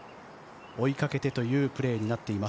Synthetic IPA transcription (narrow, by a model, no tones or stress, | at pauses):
o̞ikake̞t̪e̞t̪o̞jɯ̟ːpɯ̟ɾe̞ːɲ̟inat̪ːe̞ima